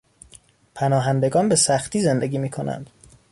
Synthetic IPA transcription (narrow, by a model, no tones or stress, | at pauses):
pʰænɒːɦænd̪e̞ɡɒːnbesæxt̪iːze̞nd̪e̞ɡʲiːmiːkʰo̞næ̰nd̪̥